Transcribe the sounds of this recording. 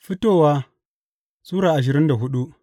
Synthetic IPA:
fi˦toː˦wa˦ | suː˦ɾaː˨ʔa˨ʃ̬ɪ˨ɾɪ˦nda˨ɦʊ˦ɗu˦

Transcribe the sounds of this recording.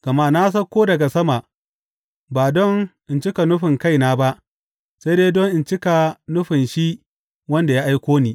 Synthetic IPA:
ɡ̥ɐ˨ma˦na˦s̬ɐ˦kʷːoː˦dɐ˨ɡa˨sɐ˦ma˨ʔ | baː˨dɔ˦ŋʔɪ˨nt͡ʃɪ˦ka˨nʊ˦ɸɪ˨ŋka˦jnaː˦ba˦ʔ | sa˦jdeː˦dɔ˦ŋʔɪ˨nt͡ʃɪ˦ka˨nʊ˦ɸɪ˨nʃi˦ | wɐ˦nda˨ja˦ʔa˦jkʷoː˦niː˦

